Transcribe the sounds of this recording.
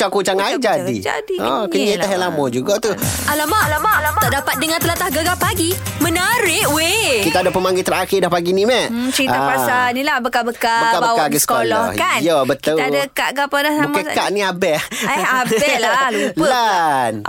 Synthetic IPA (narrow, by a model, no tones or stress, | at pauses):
t͡ʃakut͡ʃaŋaid͡ʒadḭd͡ʒa̰diɔkəɲãiaɦɛlamɔd͡ʒuɡaʔt̪ualamaʔlaaaʔdapat̪̚dəŋãnt̪əlat̪ahɡəɡapaɡimənaɾɪʔwekit̪aːdapəmaŋɡɪt̪əɾakɪdahpaɡinimɛʔt͡ʃəɾiapasanilahbəkabəkaəkabəawkaɡəsə̥kolɔhkanjabət̪ədakaʔɡapadasaməkaʔniabɛaɛlaan